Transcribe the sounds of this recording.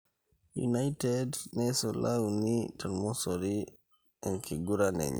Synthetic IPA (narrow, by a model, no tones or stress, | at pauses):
jṵnajtɛdnɛsɔlawnitʰaɾmɔsɔɾi | ɛnkʰiɡuɾanɛ̰ɲ̰